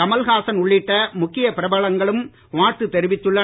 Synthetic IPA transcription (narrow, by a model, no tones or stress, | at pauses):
ɐmɐlɣaːsɐnʊɭːɪʈːɐmʊkːɪjɐpɪɾɐbaːɭɐŋɡɐɭɯm | ʋaːɾt̪ɯt̪ɛɾɪʋɪt̪ːɯɭːɐ